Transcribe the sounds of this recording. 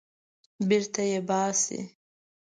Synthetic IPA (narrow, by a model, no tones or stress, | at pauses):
bɪɾt̪ajebɑːsḭ